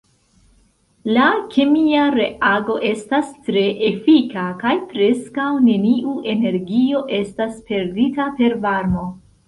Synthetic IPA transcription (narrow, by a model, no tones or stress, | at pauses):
lakʰemiaɾe̞ʔaɡo̞ʔe̞stastɾe̞ʔefikakajpɾe̞skawne̞niʔuʔe̞ne̞ɾɡio̞ʔe̞staspe̞ɾditape̞ɾvaɾmo̞